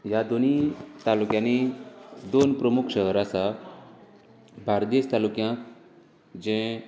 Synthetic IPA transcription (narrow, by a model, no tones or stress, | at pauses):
jad̪onit̪alukjãnid̪onpɾəmukʰɕəɦəɾasa | bʱaɾd̪iəst̪alukjãk̪ | d͡ʑɛ̃